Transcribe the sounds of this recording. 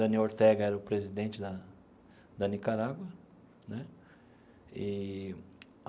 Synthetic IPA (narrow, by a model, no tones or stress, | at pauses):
ɐ̃nioɾt̪ɛɡɐɛɾɐʊpɾezid̪ẽnt͡ʃɪd̪ɐ | d̪ɐnikaɾaɡwɐ | nɛ | i